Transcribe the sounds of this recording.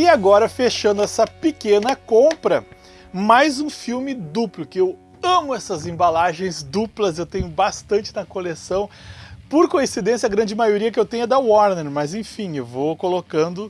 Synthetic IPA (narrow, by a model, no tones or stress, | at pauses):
ɪaɡɔɾɐfeʃɐ̃nd̪ʊɛsɐpekẽnɐkõpɾɐ | majzũfiwmɪd̪uplʊkɪew | ɐ̃mʊɛsɐzẽbalaʒẽj̃zd̪uplɐzewt̪ẽɲʊbast̪ɐ̃nt͡ʃɪnɐkolesɐ̃w̃poɾkõĩsid̪ẽsjɐɡɾɐ̃nd͡ʒɪmajoɾiɐkɪewt̪ẽɲ̃ʊɛd̪ɐwɔɾneɾmɐzẽj̃fĩewvokolokɐ̃nd̪ʊ